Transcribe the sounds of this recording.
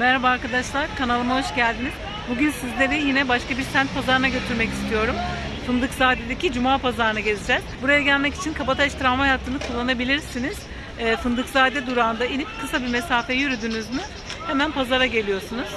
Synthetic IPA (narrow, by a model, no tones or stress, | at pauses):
mɛɾhabaaːɾkad̪aʃlˠaɾkʰanalˠɯmaɦoʃɟælʲd̪iniz̥ | buɟynsizlʲe̞ɾijinɛbaʃkabiɾsænt̪̚pʰazaɾɯnaɟø̞t̪ʰyɾmɛci̥st̪ʰijo̞ɾum | sɯnd̪ɯkzaːd̪ɛd̪ecid͡ʒumaːpazaɾɯnaɟe̞zid͡ʒɛz̥buɾajaɟælʲmɛci̥t͡ʃʰinkʰapat̪ʰaɛʃt̪ʰiɾamaɦajaːt̪ʰːɯnɯkʰulˠːanabilʲiɾsiniz̥ | ɛːsɯnd̪ɯkzaːd̪ɛd̪uɾaːnd̪ainʲip̚kʰɯsabimesaːfɛjyɾyd̪ynyzmy | hemænpʰazaɾaɟe̞lʲijo̞ɾsunuz̥